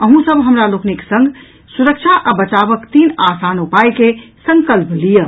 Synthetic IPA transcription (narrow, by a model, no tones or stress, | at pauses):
əɦũsəbɦəmɾalokniksə̃ŋɡ | suɾək̚t͡ʃʰaʔabət͡ʃabəkt̪inasanupajkesəŋkəlplijə